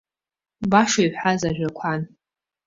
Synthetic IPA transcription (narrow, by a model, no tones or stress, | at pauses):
baʂajħʷazaʒᶣʷakʷʰan